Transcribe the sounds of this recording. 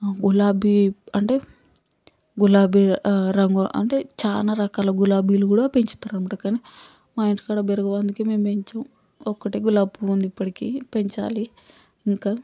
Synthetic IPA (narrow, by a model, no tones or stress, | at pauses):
ɡulaːbiɐɳʈe̞ː | ɡulaːbiɾɐŋɡoʔɐ̰ɳʈet͡ʃaːnaːɾɐkaːlɐɡulaːbiːlukuːɽaːpeɲt͡ʃu̥t̪aɾaɐmːɐʈɐkaːni | maːjiɳʈi̥kaːɽaːbeɾɐɡɐʋɐnd̪ukeːme̞ːmpeɲt͡ʃɐm | ɔkːɐʈiːɡulaːbuund̪ipːɐʈikiːpeɲt͡ʃa̰ːli | iŋkaː